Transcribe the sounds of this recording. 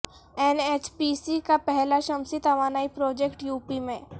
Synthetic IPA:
enet͡ʃpisikapɛɦlaʃɐmsit̪ɐʋaːnaːipɾoːd͡ʒekʈjuːpimẽ

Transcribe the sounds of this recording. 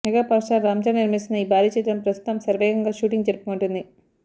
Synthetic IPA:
mɛɡaːpaːɾʂaɾaːmt͡ʃaːniɾmisinɐiːbʱaːɾiːt͡ʃɛt̪ɽɐmpɾɐst̪u̥t̪ɐmsɐɾʋɛːɡɐŋɡaːʃuːʈiŋɡd͡ʒeɾpumuɳʈund̪i

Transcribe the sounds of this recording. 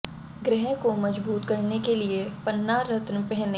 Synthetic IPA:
ɡɾɪɦɛ̃komɐd͡ʒbuːt̪kɐɾnekeliepɐnːaɾɐt̪nəpɛɦne

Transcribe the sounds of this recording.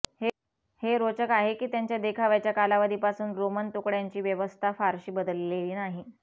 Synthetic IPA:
h | heɾot͡ɕəkaɦekiːt̪jaɲt͡ɕjad̪ekʰaʋjat͡ɕjakalaʋad̪ʱiːpasuːnɾomənt̪ukɽjaɲt͡ɕiːʋjəʋəst̪ʰafaɾɕiːbəd̪əlːeliːnaɦi

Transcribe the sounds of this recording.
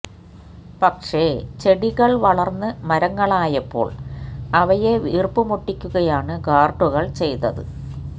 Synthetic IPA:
pɐkʂet͡ɕe̞ɽiɣɐɭʋɐɭɐrnːɨmɐɾɐŋːɐɭaːjɐpːo̞̰ːɭɐʋɐjeʋiːrpumuʈːikʲːuɣɐjaːɳɨɡaːrʈːuɣɐɭt͡ɕe̞jt̪ːɐðɨ̰

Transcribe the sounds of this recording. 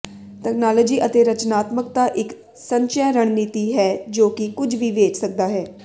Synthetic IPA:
tɛːknaːlɔːd͡ʒiːʔət̪eːɾət͡ʃnaːt̪mək̚t̪aːʔɪk | səɲt͡ʃɛːɾəɳ̃niːt̪iːɦɛːd͡ʒoːkɪkʊd͡ʒʱʋiːʋeːt͡ʃsək̚d̪aːɦɛː

